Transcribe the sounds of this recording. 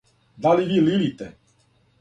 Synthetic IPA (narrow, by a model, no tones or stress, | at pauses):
d̪aliʋiːlilit̪ɛ